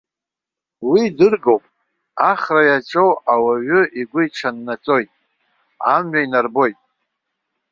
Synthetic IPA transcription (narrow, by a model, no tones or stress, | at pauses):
widɨrɡowpʼ | aχrajaʈ͡ʂʼowawaɥʏʔiɡʷʊiʈ͡ʂʰanːat͡sʼo̞jtʼ | amɥainarbo̞jtʼ